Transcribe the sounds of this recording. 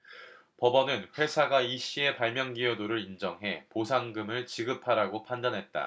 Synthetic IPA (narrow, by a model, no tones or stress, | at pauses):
pʌbʌnɯnɸwe̞sʰaɡaiɕ͈ie̞paɭmjʌŋɡiodoɾɯɾind͡ʑʌŋɦe̞posʰaŋɡɯmɯɭt͡ɕiɡɯpʰaɾaɡopʰandanɦe̞t̚t͈a̰